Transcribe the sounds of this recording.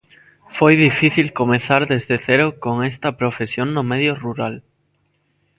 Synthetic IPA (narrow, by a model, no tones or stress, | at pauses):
fojðifiθilkomẽθaɾðezðeθeɾokoŋest̪ɐpɾofesjõŋnomeðjoruɾal